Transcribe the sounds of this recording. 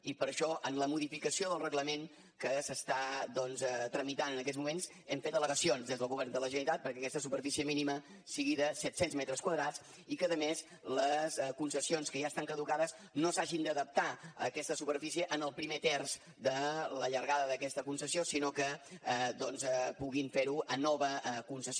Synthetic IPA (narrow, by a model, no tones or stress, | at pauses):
ipəɾəʃɔʔənləmuðifikəsioðəlˠrəɣləmen | kəsəst̪ad̪ɔnzɛt̪ɾəmit̪anənəkɛzmumens | ɛmfet̪ələɣəsionzðezðəlˠɣuβɛrnd̪ələʒəit̪at̪̚pəɾkɛəkɛst̪əsupərfisiəminimə | siɣiðəsɛt̪senzmɛt̪ɾəskwəðɾat͡s | ikəðəmes | ləskunsəsionskəʒast̪aŋkəðukaðəz | nosaʒind̪əðəp̚t̪aə̰kɛst̪əsupəɾfisiəʔənəlˠpɾimet̪ɛrz | d̪ələʎəɾɣaðəðəkɛst̪əkunsəsiosinokəɛd̪ɔnzɛpuɣiɱfeɾuənɔβəkunsəs